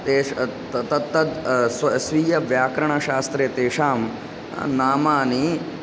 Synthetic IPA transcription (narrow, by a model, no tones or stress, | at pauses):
t̪eː | t̪ɐt̪ːɐd̪ssʋiːjɐʋjaːkɾɐɳɐʃaːst̪ɾeːt̪eːʂaːm̰ | naːmaːni